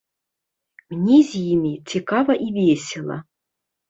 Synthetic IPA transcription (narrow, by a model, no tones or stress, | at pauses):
mnʲizʲjimʲit͡sʲɪkavɐʔivʲesʲɪlˠɐ̰